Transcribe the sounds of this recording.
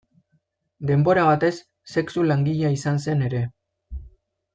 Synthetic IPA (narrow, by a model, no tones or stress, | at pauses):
d̪e̞mbo̞ɾaβat̪e̞sː | e̞ksulaŋɡiʎaisanse̞ne̞ɾe̞